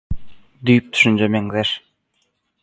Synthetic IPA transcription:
d̪yjp̚t̪ʰy̥ʃynt͡ʃømeŋzeʃ

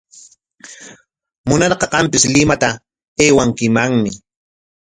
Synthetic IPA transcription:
mʊnɑɾqɑqɑmpɪslɪmat̪a | eːwaŋkɪmaŋmɪ

